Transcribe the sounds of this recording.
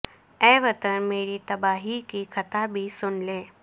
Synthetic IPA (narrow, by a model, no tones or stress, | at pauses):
ɛːʋət̪ənmeːɾit̪ɐbaːɦikikʰət̪abʱisʊnlẽː